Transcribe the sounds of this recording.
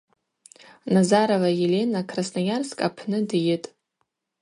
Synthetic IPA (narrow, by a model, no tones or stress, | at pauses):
nazaɾovajele̞nakʰrasnajarskʼapʰnɨdjɪtʼ